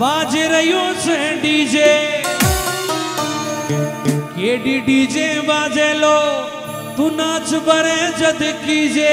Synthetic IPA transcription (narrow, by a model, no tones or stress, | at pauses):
ʋaːd͡ʒeɾəɦjõːsẽiːd͡ʒeː | keːɖiːɖiːd͡ʒẽːʋaːd͡ʒeːloː | t̪uːnãːt͡ʃʰbəɾẽːd͡ʒəd̪kiːd͡ʒeː